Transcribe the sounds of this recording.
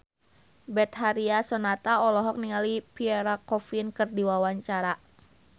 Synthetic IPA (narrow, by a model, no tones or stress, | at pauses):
bɛt̪̚ɦaɾiasɔnat̪aɔlɔɦɔk̚niŋalipiɛɾakɔfinkɨrdiwawaɲt͡ʃaɾa